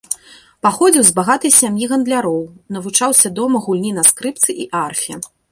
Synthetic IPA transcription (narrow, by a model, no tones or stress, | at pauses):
paxɔd͡zʲiwzbaɣat̪ɐjsʲamjiɣɐnd̪lʲaɾɔwnɐvut͡ʂawsʲɐd̪ɔmɐɣulʲnʲinɐskɾɨpt̪sɨʔiʔarfʲiɐ̰